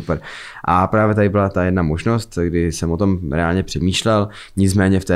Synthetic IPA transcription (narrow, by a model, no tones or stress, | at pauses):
upɾ | ʔapɾaːvjɛt̪adɪbɪlat̪ajɛdnamoʒnost̪ɡdɪsɛmot̪o̞mɾɛaːlɲɛpr̝̥ɛmiːʃlɛl | ɲɪt͡smɛːɲɛft̪ɛː